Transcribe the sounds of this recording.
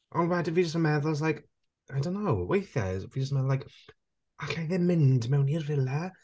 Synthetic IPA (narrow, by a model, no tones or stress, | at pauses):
ʔɔnwɛdəvid͡ʒəstəmɛðɔzlajk | ajdõʊ̃nːowwejθɛ̰zvid͡ʒəstəmɛðɔlajk | aɬajðɛmɪndmɛwniərvɪlɛ